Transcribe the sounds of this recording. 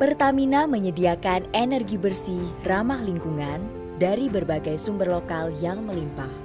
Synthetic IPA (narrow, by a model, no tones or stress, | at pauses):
pərt̪aminaməɲədiakanenərɡibərsiramahliŋkuŋan | daɾibərbaɡajsumbərlokaljaŋməlimpah